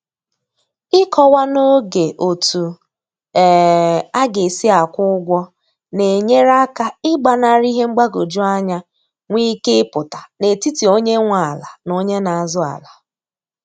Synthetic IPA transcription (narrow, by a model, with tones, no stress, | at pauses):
ɪ˦kʰɔ˦wa˦no˦ɡe˨ʔo˨tʰu˨ | a˦ɡe˨si˦a˨kʷʊ˦ʊ˦ɡʷɔ˦ | ne˨ɲe˦ɾa˦ka˦ɪ˦ɡ͡ba˨na˨ɾi˦ɦe˦ŋ͡m̩˦ɡ͡ba˦ɡo˨d͡ʒu˦a˦ɲa˦ | ŋʷi˦ke˦ɪ˦pʊ˨ta˨ne˨ti˦ti˨o˦ɲe˦ŋʷa˨a˨la˨no˦ɲe˦na˨a˨zʊ˦a̰˨la˨